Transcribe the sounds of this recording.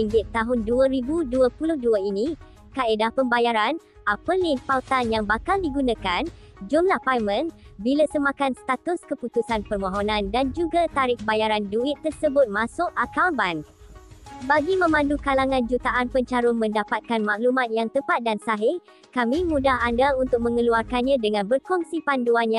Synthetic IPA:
iŋɡɪtt̪ːaɦʊnduəɾibuduəpulʊhduəinĩ | kaedahpəmbajaɾan | ʔapəlinfalt̪anjaŋbakaldiɡunãkan | d͡ʒumlahpajmə̃nbilasəmãkanst̪at̪ʊskəput̪usanpərmõɦonãndand͡ʒuɡat̪aɾɪk̚bajaɾanduɪt̪ːərsəbʊt̪̚mãsʊʔakawban | baɡimə̃mãndukalaŋãnd͡ʒut̪aʔanpəɲt͡ʃaɾʊnmə̃ndapat̪̚kanmãʔlumãt̪̚jaŋt̪əpat̪̚dansaɦɪ | kamĩmũdaɦandaunt̪ʊk̚mə̃ŋəluarkanɲãdəŋãnbərkɔŋsipanduanjã

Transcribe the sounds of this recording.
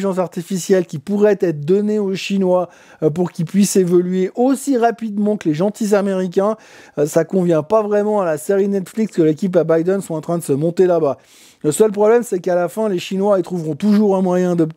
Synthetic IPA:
ʒɑ̃s̬aʁt̪ifisjɛlkʲipuʁɛt̪ɛt̪χəd̪ɔneoʃinwa | puʁkʲipɥisevɔlɥeʔosiʁapid̪mɑ̃kəleʒɑ̃t̪izameʁik̬ʲɛ̃ | sakɔ̃vjɛ̃pavʁɛmɑ̃alaseʁinɛt̪flikskəlekʲip̬abajd̪ɛnswɔ̃tɑ̃t̪χɛ̃d̪əsəmɔ̃t̪elaba | ləsœlpχɔblɛmsɛkalafɛ̃leʃinwait̪χuvʁɔ̃t̪uʒuʁɛ̃mwajɛ̃d̪ə

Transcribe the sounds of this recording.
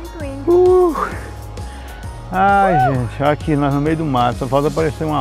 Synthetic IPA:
t̪uiu | ajʒẽt͡ʃɪakinɔznʊmejʊd̪ʊmat̪ʊɐvawt̪ɐpaɾeseũɐ

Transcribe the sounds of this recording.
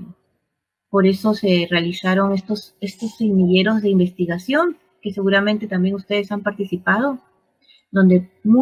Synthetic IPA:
po̞ɾe̞so̞se̞realisaɾo̞ŋest̪ose̞st̪o̞simiʝe̞ɾo̞zðe̞imbe̞st̪iɣasjo̞ŋ | ke̞se̞ɣuɾamẽnt̪e̞t̪ambje̞ŋust̪e̞ðe̞sampaɾt̪isipað̞o̞ | d̪o̞nd̪emu

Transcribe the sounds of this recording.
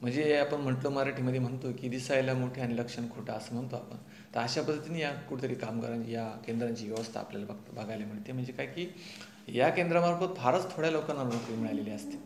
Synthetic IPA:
m̤əɳd͡zeeapəɳm̤əʈlomaɾaʈʰiːməd̪ʱjem̤əɳt̪okid̪isajljamoʈʰeəniləkʂəɳkʰoʈaəsəːm̤əɳt̪oapə̰ɳ | t̪əɾaɕapəd̪ʱət̪iniːjakuɽit̪əɾiːkamkə̰ɾanjakend̪ɾaɲt͡ɕiːʋɛʋəst̪ʰa̰a̰pla̰labʱaɡajlem̤əɽt̪em̤əɳd͡zekajkiː | jakend̪ɾamaɾkʰot̪̚bʱaɾət͡st̪ʰoɽjalokanːalnukʋimiɭaleleəst̪e̥

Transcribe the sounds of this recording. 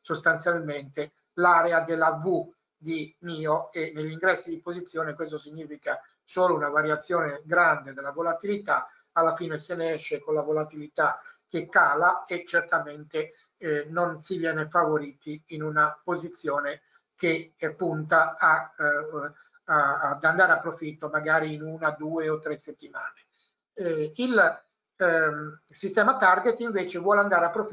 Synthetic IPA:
sost̪ant̪sjalment̪e | laːɾead̪elːavu | d̪imiːoenːeʎːiŋɡɾɛsːid̪ipozit̪sːjɔːnekwest̪osiɲːiːfika | soːlounavaɾjat̪sːjɔːneɡɾand̪ed̪elːavolat̪ilit̪a | alːafiːneseneɛʃːekonlavolat̪ilit̪ak̟ːekːaːlaet͡ʃːert̪ament̪e | nonsivjɛːnefavoɾiːt̪iːnunapozit̪sːjoːne | k̟epːunt̪aa | d̪and̪aːɾeapːɾofit̪ːomaɡaːɾiːnunad̪uːeot̪ːɾesːet̪ːimaːne | il | sist̪ɛːmat̪arɡet̪iɱveːt͡ʃevwɔːleand̪aːɾeapːɾof

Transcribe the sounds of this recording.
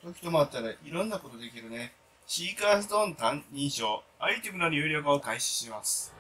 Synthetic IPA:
t̪o̞kʲi̥t̪o̞moat̪ːaɾaʔiɾõ̞nːako̞t̪o̞d̪e̞kʲiɾɯ̟ne̞ | ɕiːkaːsɨd̪õ̞nt̪ãnĩɰ̃ɕo̞ːait̪ʲimɯ̟noɲʲɯ̟ːɾʲo̞ːkaokaiɕi̥ɕimasɨ̥

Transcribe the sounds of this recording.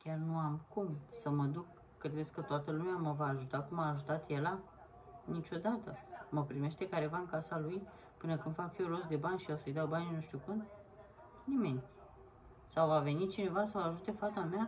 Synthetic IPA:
kʲarnuamkumsəməd̪ukː | ɾe̞d̪et̪sʲkət̪oat̪əlumeaməvaːʒut̪akumaːʒut̪at̪je̞la | nit͡ʃʲo̞d̪at̪əməpɾime̞ʃt̪e̞kaɾe̞vaɨnŋkasaluj | pɨnəkɨnd̪fakfiolo̞sd̪e̞banʲʃijawsəjd̪awbaninuʃt̪ʲukund̪ | nime̞nʲ | sawvave̞nit͡ʃine̞vas̬əaʒut̪e̞fat̪amea

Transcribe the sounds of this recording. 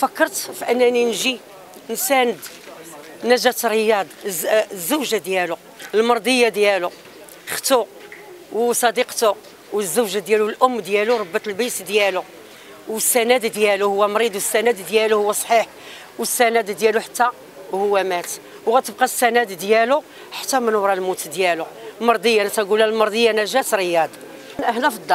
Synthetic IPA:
fækːəɾˤt̪fiʔənːæninʒi | nsænəd̪ | næʒæt̪ɾəjɑd̪ˤzːuwʒad̪jælu | əlmɑɾˤd̪ˤəjːad̪jælu | xt̪u | wsˤɑd̪iqt̪ʊ | wəzːəwʒad̪jælulʔʊmːd̪jæluɾˤɑbːət̪əlbisd̪jælu | wəsːænæd̪d̪jæluhʊwːæmɾid̪wəsːænæd̪d̪jæluhʊwːæsˤħiħ | wəsːænæd̪d̪jæluħat̪ːæ | hʊwːæmæt̪ | wɣæt̪əb̚qɑsːænæd̪d̪jælu | ħḁt̪ːæmænowɾˤɑlmut̪d̪jælulmɑɾˤd̪ˤəjːanæt̪æɡulælmɑɾˤd̪ˤəjːanæʒæt̪ɾəjæd̪ | nʔəhlæfd̪ˤːɑ

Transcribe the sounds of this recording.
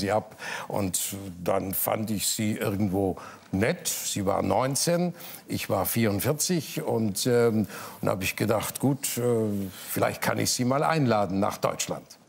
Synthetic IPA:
ziːʔapʔʊ̰ntd̥a̰nfa̰ndɪçz̥iːʔɪɐɡŋ̩tv̥oː | nɛtz̥iːva̰ːɐnɔʏnt͡seːn | ʔɪçv̥aːɐfiːɐʁʊntfɪɐt͡sɪçʊntɛːha̰ːbɪçɡ̥ədaχtɡ̥uːtɛfɪla̰ɪçt̚kʰanɪ̰çz̥iːmaːlʔa̰ɪnlaːdn̩na̰ːχd̥ɔ̰ʏt͡ʃla̰nt

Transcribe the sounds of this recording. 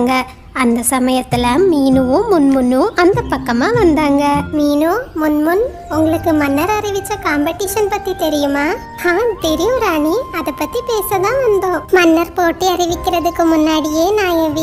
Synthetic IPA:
ŋɡɐ | ɐnd̪ɐsɐmɐjɐt̪ːɪlɐmiːnɯʋʊ̃mʊnmʊnːʊ̃ʔɐnd̪ɐpːɐkːɐmaːʋɐnd̪aːŋɡɐmiːnũmʊnmʊn | ʊŋɡɐɭɯkːɯmɐnːɐɾɐɾɪʋɪt͡ʃːɐkaːmbɐʈːɪʂɐnpɐt̪ːit̪ɛɾɪjɯmaː | hãːt̪ɛɾɪjʊ̃ɾaːɳiɐðɐpːɐt̪ːipeːsɐðãːʋɐnd̪õːmɐnːɐɾpoːʈːiɐɾɪʋɪkːɪɾɐðɯkːɯmʊnːaːɽɪjeːnaːɛʋi

